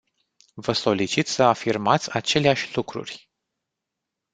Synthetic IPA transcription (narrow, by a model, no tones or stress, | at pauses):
vəso̞lit͡ʃit̪səafirmat̪sʲat͡ʃe̞leaʃʲlukɾṵrʲ